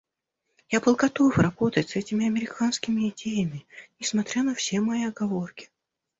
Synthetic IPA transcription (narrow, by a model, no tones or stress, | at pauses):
japəlˠɡɐt̪ofrɐbo̞t̪ətʲsɛtʲɪmʲɪɐmʲɪɾʲɪkanskʲɪmʲɪɪdʲejɪmʲɪnʲɪsmɐt̪ɾʲanəfsʲe̞mɐjiɐɡɐvo̞rkʲɪ̥